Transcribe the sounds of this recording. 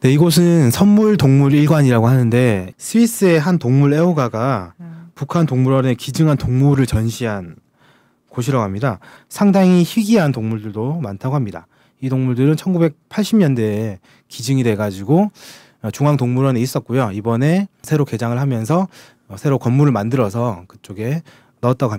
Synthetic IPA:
ne̞iɡʌs̬ʰɯnsʰʌnmuɭtoŋmuɾiɭɡwaɲiɾaɡoɦanɯnde̞sʰɯis͈ɯe̞ɦantoŋmuɾe̞oɡaɡa | pukʰantoŋmuɾʌne̞kid͡ʑɯŋɦantoŋmuɾɯɭt͡ɕʌnɕʰiɦan | koɕʰiɾʌɡamɲida | sʰaŋdaŋiçiɡiɦantoŋmuɭdɯɭdomantʰaɡoɦamɲida̰ | idoŋmuɭdɯɾɯnt͡ɕʰʌnɡube̞k̚pʰaɭɕ͈ʰimɲʌnde̞ | kid͡ʑɯŋidwe̞ɡad͡ʑiɡo | t͡ɕuŋɦaŋtoŋmuɾʌneis͈ʌt̚k͈ujoibʌne̞sʰe̞ɾoke̞d͡ʑaŋɯɭɦamjʌns̬ʰʌ | sʰe̞ɾokʌnmuɾɯɭmandɯɾʌs̬ʰʌkɯ̥t͡ɕ͈oɡe̞ | nʌt̚t͈aɡoɦa

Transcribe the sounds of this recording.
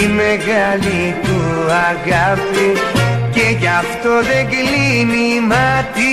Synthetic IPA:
meɣalit̪uaɣapicejaft̪oðeɡlinim̤at̪ʰi

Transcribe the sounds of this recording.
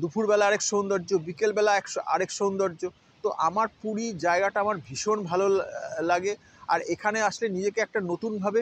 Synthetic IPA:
d̪upʰuɾbɛlaaɾekʃond̪ɔɾd͡ʑobikelbɛlaɛka̰ɾekʃond̪ɔɾd͡ʑo | tt̪oʔamaɾpuɾid͡ʑaeɡaʈaamaɾbʱiʃonbʱalolaɡe | a̰ɾekʰaneaʃlenid͡ʑekeɛk̚ʈanot̪unbʱabe

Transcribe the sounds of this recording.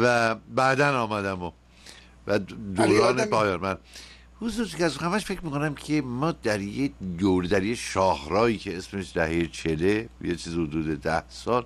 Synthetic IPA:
væbæd̪ænɒːmæd̪æmo | væd̪oɾɒːnepʰɒːjɒːnmæn | huzuːɾt̪ʰikæszhæmæʃfecʰmiːkʰonæmcʰe̞mɒːd̪æɾjed̪oɾed̪æɾjeʃɒːhɾɒːiːcʰeesme̞ʃd̪æhe̞jet͡ʃʰelejet͡ʃʰiːzihod̪uːd̪ed̪æhsɒːl

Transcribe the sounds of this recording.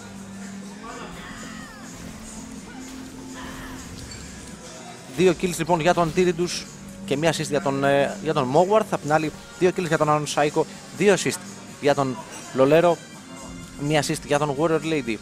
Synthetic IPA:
ðio̞cilizlipo̞nʝɐt̪o̞nd̪iɾid̪us | ce̞miɐsist̪t̪oʝɐt̪o̞nmoɣwɐɾθɐpot̪inɐli | ðio̞cilizʝɐt̪o̞nɐnsɐiko̞ | ðiosist̪ | ʝɐt̪o̞n | lo̞le̞ɾo̞ | mɐsist̪ʝɐt̪o̞nɣoɾeɾled̪i

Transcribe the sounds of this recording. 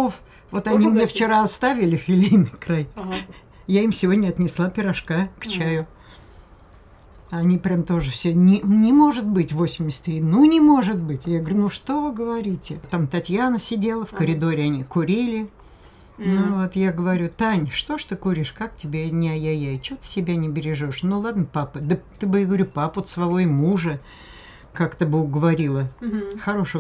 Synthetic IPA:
of | vo̞t̪ɐnʲimnʲeft͡ɕɪɾaɐst̪avʲɪlʲɪfʲɪlʲijnɨjkɾaj | jaimsʲɪvo̞dʲnʲəɐt̪nʲɪslˠapʲɪɾɐʂkakt͡ɕæjʊ | ɐnʲipɾʲamt̪o̞ʐɨfsʲenʲɪnʲɪmo̞ʐɨt̪̚bɨtʲvo̞sʲɪmʲɪsʲt̪ʲɾʲinunʲɪmo̞ʐɨt̪̚bɨtʲjaɡəvəɾʲunuʂt̪o̞vɨɡəvɐɾʲitʲɪt̪amt̪ɐtʲjanəsʲɪdʲe̞lˠəfkəɾʲɪd̪o̞ɾʲɪɐnʲikʊɾʲilʲɪ | nuvot̪jaɡəvɐɾʲut̪anʲʂt̪oʂt̪ɨkuɾʲɪʂkak̚tʲɪbʲenʲɪɐjajaɪt͡ɕot̪ɨ̥sʲɪbʲanʲɪbʲɪɾʲɪʐoʂnulˠad̪nəpapəd̪ət̪ɨbɨjaɡəvɐɾʲupapot̪svɐvojmuʐə | kakt̪ɨbɨʊɡəvɐɾʲilˠəxɐɾo̞ʂə

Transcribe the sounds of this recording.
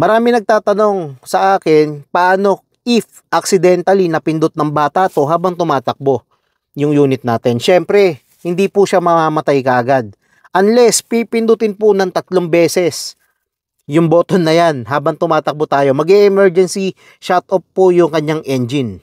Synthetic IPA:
mɐɾaːmɪnɐɡ̚t̪aːt̪ɐno̞ŋsɐʔaːkɪnpɐʔaːno̞ | ʔɪf | ʔɐksɪd̪ɛnt̪ɐlinɐpɪnd̪ʊt̪̚nɐŋbaːt̪aʔt̪o̞ɦaːbɐŋt̪ʊmaːt̪ɐk̚bo̞ | jʊŋjuːnɪt̪̚naːt̪ɛnʃɛmpɾɛ | hɪnd̪ipʊʃamɐmaːmɐt̪ajkɐʔɐɡad̪̚ | ʔɐnlɛspipɪnd̪ʊt̪ɪnpʊnɐŋt̪ɐt̪loŋbɛːsɛs | jʊŋbo̞ːt̪onːɐjanɦaːbɐŋt̪ʊmaːt̪ɐk̚bot̪aːjo̞mɐɡɛʔɛmɛɹd͡ʒɛnsi | ʃat̪opːojʊŋkɐɲːaŋʔɛnd͡ʒɪn

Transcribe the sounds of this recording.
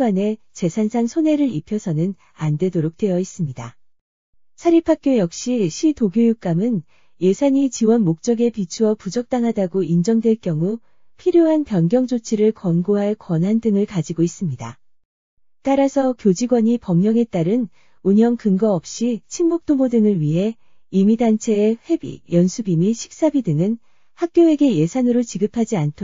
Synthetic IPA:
wane̞ | t͡ɕe̞sʰansʰansʰone̞ɾɯɾipʰjʌsʰʌnɯn | ande̞doɾok̚t͈we̞jʌis͈ɯmɲida | sʰaɾipʰak͈̚jojʌk̚ɕ͈iɕʰitoɡjojuk͈̚amɯn | je̞sʰaɲit͡ɕiwʌnmok̚t͡ɕ͈ʌɡe̞pit͡ɕʰuwʌpud͡ʑʌk̚t͈aŋɦadaɡoind͡ʑʌŋdwe̞ɭkjʌŋu | pʰiɾjoɦanpjʌnɡjʌŋd͡ʑot͡ɕʰiɾɯɭkwʌnɡoɦaɭkwʌnɦandɯŋɯɭkad͡ʑiɡois͈ɯmɲida̰ | t͈aɾasʰʌkjod͡ʑiɡwaɲipʌmɲʌŋe̞t͈aɾɯn | uɲjʌŋkɯŋɡʌʌp̚ɕ͈it͡ɕʰinmok̚t͈omodɯŋɯɭɥiɦe̞ | imidant͡ɕʰe̞ːɸwe̞bḭjʌnsʰubimiɕʰi̥k̚s͈abidɯŋɯn | hak̚k͈joe̞ɡe̞je̞sʰanɯɾot͡ɕiɡɯpʰad͡ʑiantʰo

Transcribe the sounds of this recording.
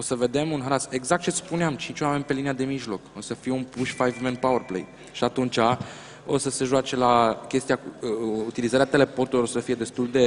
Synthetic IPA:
o̞səve̞d̪e̞munɦaɾase̞ɡzak̚t̪t͡ʃe̞spuneamt͡ʃint͡ʃʲwame̞nʲpe̞liniad̪e̞miʒlo̞ko̞səfije̞unpuʃfajvmenpawərplḛj | ʃiat̪unt͡ʃa | o̞̰səse̞ʒuat͡ʃe̞lakʲe̞st̪ijakut̪ilizaɾeat̪e̞le̞po̞rt̪uliosəfije̞d̪e̞st̪uld̪e̞

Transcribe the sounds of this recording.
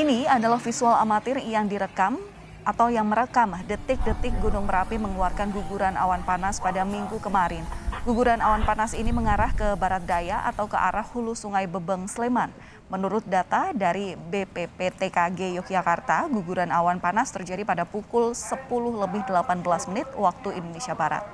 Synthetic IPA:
iniadalahfisuala̰mat̪ɪrjaŋdiɾəkam | at̪awjaŋməɾəkamdət̪ɪk̚dət̪ɪk̚ɡunʊŋməɾapiməŋluarkanɡuɡuɾana̰wanpanaspadamiŋɡukəmaɾɪnɡ̥uɡuɾanawanpanasiniməŋaɾahkəbaɾat̪̚dajaʔa̰t̪awkə̰ʔa̰ɾahhulusuŋajbəbəŋsleman | mənuɾʊt̪̚dat̪adaɾibepepet̪ekaɡejɔk̚d͡ʒakart̪aɡuɡuɾanawanpanast̪ərd͡ʒadipadapukʊlsəpulʊhləbɪhdəlapanbəlasmənɪt̪̚wak̚t̪uindonesiabaɾa̰t̪̚

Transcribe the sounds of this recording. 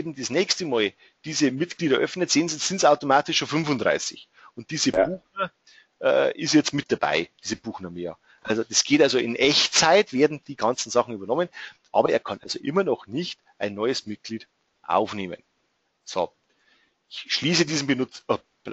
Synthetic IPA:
eːbm̩desnɛːçstəmɑːl | d̥iːzəmɪtɡ̥liːɾɐʔœfnətz̥eːnziz̥ɪntsaʊtomaːtɪʃːoːnfʏnvʊndʁa̰ɪsɪ̰ç | ʊnt̚d̥iːzəb̥uːxnɐ | ʔɛ̰ːʔɪsjɛt͡stmɪt̚d̥aba̰ɪd̥iːzəb̥uːxnɐmḛː | ʔalzod̥asɡ̥eːtalzoʔɪnʔɛçt͡saɪtv̥eːɐdn̩d̥iːɡɑnt͡sn̩zɑχn̩yːbɐnɔmənʔɑ̰ːbɐʔeːɐkʰɑnʔa̰lzoʔɪmɐnɔχnɪçt | ʔaɪnːɔʏəsmɪt̚ɡ̥liːd | ʔa̰ʊfneːmə̰n | so̰ | ɪçʃliːsədiːzn̩bənʊ

